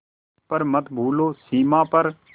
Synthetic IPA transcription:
pəɾmət̪bʱuːloːsiːmãːpəɾ

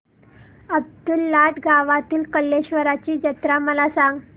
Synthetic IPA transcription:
əb̚d̪ulːaʈɡaʋat̪iːlkəlːeɕʋəɾat͡ɕiːd͡ʑət̪ɾaməlasãŋɡ

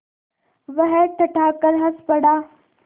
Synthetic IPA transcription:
ʋɐɦɛʈʰɐʈʰaːkɐɾɦɐspɐɽaː

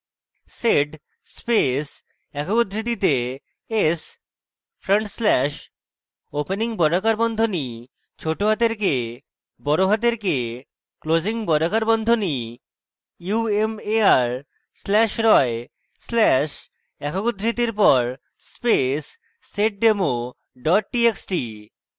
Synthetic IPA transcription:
seɖ | spes | ɛkʰokud̪ʱɾid̪it̪e | es | fʰɾəɳʈslɛʃ | openiŋbɔɖokaɾbɔnd̪ʱoni | t͡ɕʰoʈoɦat̪eɾke | bɔɾoɦat̪̬eɾke | klod͡ʑiŋbɔɖokaɾbɔnd̪ʱoni | uemeaɾ | slɛʃɾɔe | slɛʃ | ɛkʰokud̪ʱɾit̪iɾpɔɾ | spesː | eʈ̚ɖemo | ɖɔʈ̚ʈieksʈi

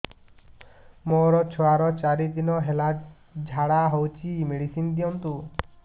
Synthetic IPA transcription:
moɾɔt͡ʃʰɔaɾɔt͡ʃaɾid̪inɔɦela | d͡ʒʱaɽaɦowt͡ʃʰimeɽisind̪iɔnt̪u

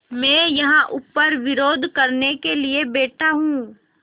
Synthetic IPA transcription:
mɛ̃ːjɐɦãʔʊpːəɾʋɪɾoːd̪ʱkɐɾnekeliebeːʈaɦũː

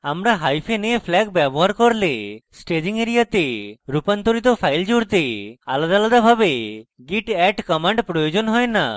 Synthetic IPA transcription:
amɾaɦajpʰenepʰlɛɡbjɛbɔɦaɾkɔɾlesʈed͡ʒiŋeɾijat̪eɾupant̪ɔɾit̪ɔpʰajld͡ʒuɽt̪ealad̪alad̪abʱabeɡiʈɛʈkɔmaɳɖpɾɔjod͡ʒɔnɦɔjna̰

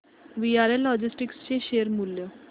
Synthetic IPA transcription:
ʋiaɾelɔd͡ʑisʈikst͡ɕeɕeəɾmuljə

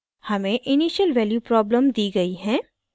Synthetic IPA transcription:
hɐmẽʔɪniːʃəlʋɛːljuːpɾɔːbləmd̪iːɡɐiɦɛ̃ː

